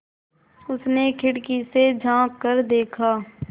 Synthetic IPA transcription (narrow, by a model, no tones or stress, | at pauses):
ʊsnekʰɪɽkised͡ʒʱãːkːəɾd̪eːkʰaː